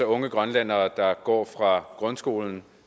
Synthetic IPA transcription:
ɒɔ̽ŋəɡ̥ʁɶnlæn̰ɐːd̥ɑ̈ɡ̥ɒ̰ːfʁɑ̈ɡ̥ʁɔ̽nsɡ̥o̝̰ːln̩

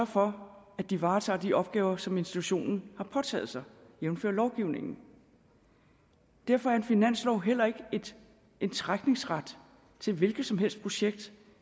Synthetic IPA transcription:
ɶɐfɒ̽ | æ̥d̥iʋɑ̈ːt͡sʰɑ̰̈ːd̥iʔɒ̽b̥̚ɡ̥ɛːʊɐsɒ̽me̝nsd̥it͡sʰuɕo̝̰ːnn̩hɑ̈pʰɒ̽t͡sʰɛ̰ːð̩ˠsɑ̈ɪjemn̩fø̰ɐ̰lɒʊɡ̥iʊne̝ŋn̩ | d̥æɐ̰fɒæɐenfinæn̰slɒʊɦel̰ɐe̝ɡ̥əed̥ | ent͡sʰʁaɡ̥ne̝ŋsʁad̥ | t͡sʰe̝lʋe̝lɡ̥ð̩ˠsɒ̽mɦel̰sd̥pʰʁo̝ɕeɡ̥̚d̥

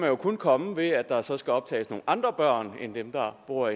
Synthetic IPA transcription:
mænjo̝kʰonkʰɒ̽məʋe̝æd̥ɑ̈sɒ̽sɡ̥æɒ̽b̥̚t͡sʰɛ̰ːɪsno̝ːnɑ̈nd̥ʁɐb̥ɶɐ̰nend̥emd̥ɑ̈b̥uɐ̰

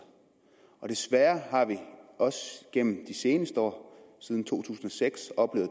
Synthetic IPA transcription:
ɒ̽ɾ̥e̝sʋæɐɦɑ̈ʋiɒ̽sɡ̥en̰m̩d̥ise̝ːnəsd̥əɒ̰ːsið̞ˠn̩t͡sʰo̝̰ːt͡sʰṵːsn̩ɒ̽seɡ̥sɒ̽b̥le̝ːʊð̩ˠ

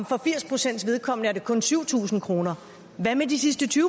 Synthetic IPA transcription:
mfɒ̽fiɐspʰʁo̝sen̰d̥sʋe̝ð̞ˠkʰɒ̽m̰nəæɐɾe̝kʰɔ̽nsyʊ̰t͡sʰṵːsn̩kʰʁo̝ːnɐ | ʋæmed̥isisd̥ət͡sʰy

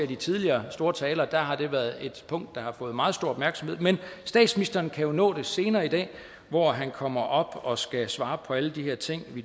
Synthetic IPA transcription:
æd̥it͡sʰið̞ˠliɐːsd̥o̝ːɐt͡sʰɛːlɐːd̥æɦɑ̈d̥e̝ʋæɐð̩ˠe̝d̥pʰɔ̽ŋ̰d̥ːɑ̈hɑ̈fɔ̽ːð̞̩ˠmɑ̈ːð̩ˠsd̥o̝ɐɒb̥mæɐɡ̥sɒ̽m̩he̝ð̰ˠmensd̥ɛ̰ːd̥sminisd̥ɐːnkʰæjo̝nɔ̰̽ːd̥e̝se̝ːnɐːid̥ɛ̰ː | ʋɒɦænkʰɒ̽m̰ɐʔɒ̽b̥ɒ̽sɡ̥æsʋɑ̈ːpʰɒ̽æləd̥iheɐt͡sʰe̝ŋ̰ʋi

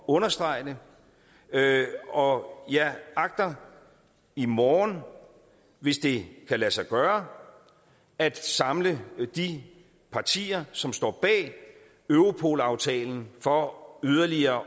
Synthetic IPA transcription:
ɔ̽nɐsd̥ʁɑ̈ɪnə | ɒ̽jɑɑ̈ɡ̥̚d̥ɐ | imɒːn | ʋe̝sd̥e̝kʰælæsɑ̈ɪɡ̥ɶːɐ | æd̥sɑ̈mləd̥i | pʰɑ̈t͡sʰḭːɐsɒ̽msd̥ɒ̰ːb̥ɛ̰ː | øʊʁo̝pʰo̝̰lɑ̈ʊt͡sʰɛ̰ːln̩fɒ̽yð̞ˠɐliɐː

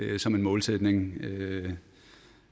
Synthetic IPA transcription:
sɒ̽me̝nmɔ̽ːlsed̥ne̝ŋ

